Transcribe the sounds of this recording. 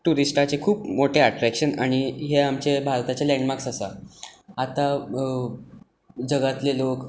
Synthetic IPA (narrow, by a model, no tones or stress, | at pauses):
ʈuɾisʈat͡ɕekʰuːpmoʈeaʈɾækɕəna̰ɽ̃iɦeamt͡ɕebʱaɾt̪at͡ɕelɛ̃ɳɖmaksasaat̪a | d͡ʑəɡat̪lelok